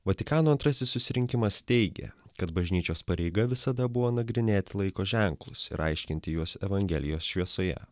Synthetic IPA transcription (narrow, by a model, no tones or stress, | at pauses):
ʋɐt̪ʲɪkɑːnuːɐnt̪ɾɐsʲɪssʊsʲɪɾʲɪŋʲkʲɪmɐst̪ʲɛɪɡʲḛkɐt̪bɐʒʲnʲiːt͡ʃʲoːspɐɾʲɛɪɡɐʋʲɪsɐd̪ɐbʊʋoːnɐɡɾʲɪnʲeːt̪ʲɪlˠɐɪkoːʒʲɛŋklˠʊ̰sɪ̰ɾɐ̰ɪʃʲkʲɪnʲt̪ʲɪjuɔsɛʋɐŋʲɡʲɛlʲɪjoːsʃʲʋʲiɛsoːjɛ̰